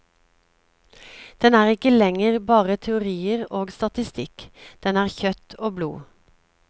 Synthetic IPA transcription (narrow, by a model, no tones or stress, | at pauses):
d̪̥ɛnæːʁɪkəlɛŋəʁbɑːʁət̪ʰɛʊʁiːəʁoːɡst̪ɑt̪ɪst̪ɪkd̪̥ɛnæːʁçœt̪ʰoːblṵː